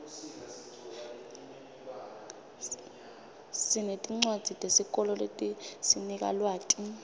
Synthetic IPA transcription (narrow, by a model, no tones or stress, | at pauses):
sinetʼiŋ͡ǀwad̥z̥ʱitʼesik̬ʼɔlɔletʼisinik̬ʼa̰lwaːkʼi